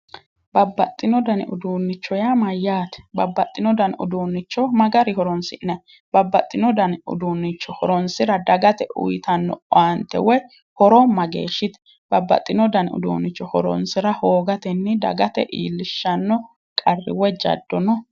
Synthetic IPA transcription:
bɐbːɐt̪ʼːɪnɔd̪ɐnɪ̰ʊd̪uːnːɪt͡ʃːɔjamɐjːaːt̪ɛ̥bɐbːɐt̪ʼːɪnɔd̪ɐnʊ̰d̪uːnːɪt͡ʃːɔmɐɡɐɾɪhɔɾɔnsɪʔnɛ | b̥ɐbːɐt̪ʼːɪnɔd̪ɐnʊ̰d̪uːnːɪt͡ʃːɔhɔɾɔnsɪɾɐd̪ɐɡɐt̪ɛʔʊ̰jɪt̪ɐnːɔ̰ɔɐnt̪ːɛ̰wɔj | hɔɾɔmɐɡḛːʃːɪt̪ɛ̥ | b̥ɐbːɐ̰t̪ʼːɪnɔd̪ɐnʊ̰d̪ṵːnːɪt͡ʃːɔhɔɾɔ̰nsɪɾɐhoːɡɐt̪ɛnːɪd̪ɐ̰ɡɐt̪ɛ̰ʔḭːlːɪʃːɐnːɔ | kʼɐrːɪ̰wɔd͡ʒɐ̰d̪ːɔnɔ

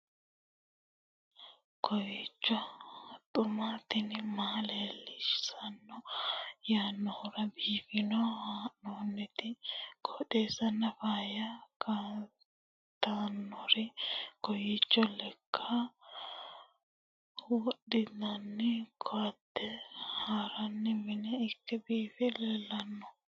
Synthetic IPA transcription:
kʰɔjit͡ʃːɔt̪ʼʊmaːt̪ɪnɪmaːleːlːɪʃɪ̥sɐnːɔjaːnːɔhʊɾɐbiːfɪnɔhaːʔnɔnːɛt̪ɪkʰɔᶑeːsɐnːɐfaːjɐka | t̪ːanːɔɾɛkɔjɪt͡ʃːɔlɛkʰːɐ | wɔɗɪd̪ɐnːɪkʰɔɐd̪ːɛhaːɾɐnːɪmɪnɛɪkːɛbiːfɛlɛlːɐnːɔ

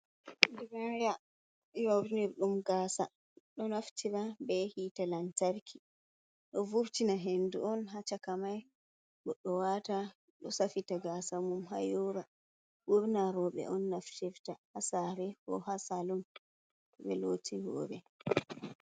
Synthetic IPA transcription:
diɾaja | jawniɾɗumɡaːsa | ɗɔnaftiɾabɛhiːtalantaɾkʰi | ɗɔvuɾtinaɦenduʔɔnɦat͡ʃakamaj | ɓɔɗɔwata | ɗɔsafitaɡasamumɦa̰juɾa | buɾnaɾɔɓɛ̰ʔɔnːaftiɾtahasaɾɛkɔ̰hasalum | ɓɛlotʰiwɔ̰ːɾɛ

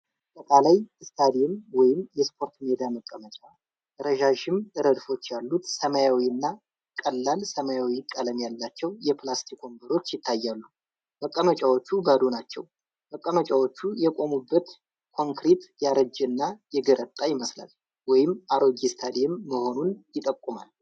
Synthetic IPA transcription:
t̪ʼːək̪ʼalajɨst̪ʰad̪ijɛmwɔjɪmjɛspʰo̞ɾt̪med̪aməkʼːəmət͡ʃʼa | ʔɨɾəʒaʃɪmʔɨɾəd̪fo̞t͡ʃːjalːut̪səməjawiɨnːa | kʼəlːalsəmajawikʼələmjalːat͡ʃːɛwjɛplast̪ʰikʰo̞mbəɾo̞t͡ʃːjɪt̪ʰːajːalːu | məkʼːəmət͡ʃʼawo̞t͡ʃːubəd̪onat͡ʃːɛ̰w | məkʼːəmət͡ʃʼawo̞t͡ʃːujɛkʷʼo̞mubːət̪ | kʰo̞ŋkɾet̪jaɾəd͡ʒːɨnːajɛɡəɾət̪ʼːajɪməsla̰l | wɔjɪmaɾo̞ɡist̪ʰad̪eɛmːəho̞nunjɪt̪ʼəkʼːuma̰l

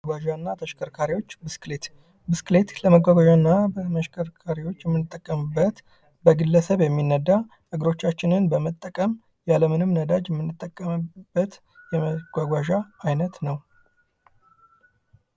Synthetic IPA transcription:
ɡaʒanːat̪ʰəʃkʰəɾkʰaɾiwo̞t͡ʃːbɨsklet̪ | bɨskɨlet̪ləməɡʷaɡʷaʒanːabəməʃkʰəɾkʰaɾiwo̞t͡ʃːjɛmːɨnːɨt̪ʼːəkʼːəmɨbːət̪ | bəɡɨlːəsəβjɛmːinːəd̪ːa | ʔɨɡɾo̞t͡ʃːat͡ʃːɪnɨnbəmət̪ʼːəkʼəm | jaləmɨnɨmnəd̪ad͡ʒjɛmːɨnːɨt̪ʼːəkʼːəmb̥ːət̪ | jɛməɡ̥ʷaɡʷaʒaajnət̪nəw

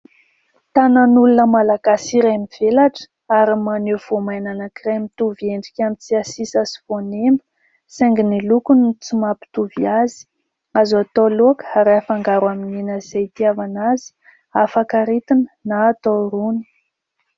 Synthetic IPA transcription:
t̪ananulunəmalaɡasiɾemiv̥elaʈ͡ʂ | aɾimanewv̥omajnanəkremit̪uvieɳɖ͡ʐikʲamit͡siasisasi̥vonembə̥ | seŋɡinilukunit͡sumapi̥t̪uviazi̥ | azat̪oloakə̥aɾaafaŋɡaɾamininazejt̪iavanazi̥ | afakaɾit̪inənaːt̪oɾuni̥

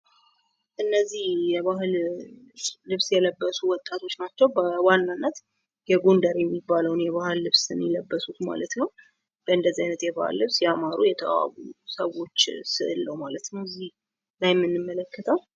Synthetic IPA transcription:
ʔɨnːəzːihjɛβahɨlː | ɨβsjɛləbːəsuwɔt̪ʼːat̪ʰo̞t͡ʃːnat͡ʃːɛwbəwanːanːət̪ | jɛɡond̪əɾjɛmːibːaləwnjɛβahɨlːɨβsɨnjɛləbːəsut̪ma̰lət̪nəw | b̥əɨnd̪əzːiajnət̪jɛβa̰hɨ̰lːɨβsjɛamaɾujɛt̪ʰəʔa̰βṵsəwo̞t͡ʃːsɨʔɨlːəwmalət̪nəwzih | lajmːɨnːɨmːələkːət̪ʰəw

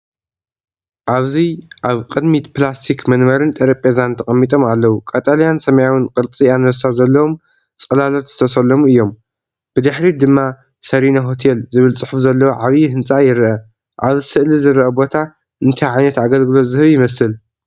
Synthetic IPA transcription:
ʔaβziʔaβqʼɨd̪mit̪plast̪ʰikmɐnmɐɾɨnt̪ʼɐɾɐpʼezant̪ʰɐxʼɐmːit̪ʼomalːɐwukʼat̪ʼalijansɐmɐjawɨnkʼɨɾt͡sʼianɐsazɐlːɐwo̞m | t͡sʼɨlalo̞t̪zɨ̥t̪ʰɐsɐlːɐmuɨjːo̞m | b̥ɨd̪ɨħɾid̪ɨmːa | sɐɾinaɦo̞t̪ʰelzɨβɨlt͡sʼɨħufzɐlːɐwoʕaβihɨnt͡sʼajɪɾʔɐ | ʔaβsɨʔlizɨɾʔɐbo̞t̪ʰa | ʔɨnt̪ʰajʕajnɐt̪aɡɐlɡɨlo̞t̪zɨhɨβjɪmɐsɨl

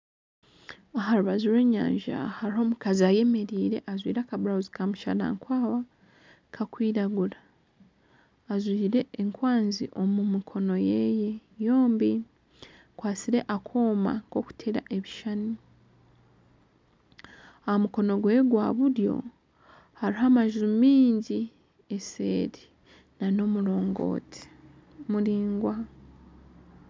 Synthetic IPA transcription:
aɦaɾuβazuɾwe̞ːɲa̰ːɲʒa̰haɾiho̞ːmukaziaje̞me̞ɾiːɾe̞ʔazwḭːɾakaβuɾauzikamuʃa̰na̰ŋkwaːwa | kʰakwiːɾaɡuɾa | zwiːɾeeŋkwaːnziʔo̞mumikʰo̞no̞jeje̞jo̞ːmbi | kwaːsiɾe̞ʔakʰoːma̰ŋko̞ku̥tʰeɾa̰ʔe̞βiʃani | ahamuko̞no̞ɡwe̞ːɡwaβuɾjo̞̰ | haɾiɦamaʒumiːɲɟi | esḛːɾi | nano̞muɾo̞ːŋɡo̞̰ːtʰe̥ | muɾiːŋɡwa

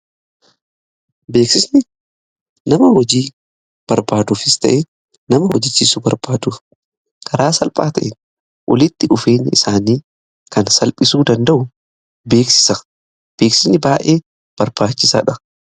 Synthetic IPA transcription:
be̞ːksɪsnɪ | nɐmɐwɔd͡ʒiː | b̥ɐɾbaːd̪uːfɪst̪ɐ̰ʔɛ | nɐmɐwɔd͡ʒɪt͡ʃːisʊbɐɾbaːd̪uːf | kʰɐɾaːsɐlpʼaːt̪ɐʔɛn | wʔɔ̰lɪt̪ːɪʔʊfeːɲːɪɪsaːniː | kɐnsɐlpʼɪsuːd̪ɐnd̪ɐʔʊ | be̞ːksɪ̥sɐ | b̥e̞ːksɪsnɪbaːʔeː | b̥ɐɾb̥aːt͡ʃːɪsa̰ːᶑɐ

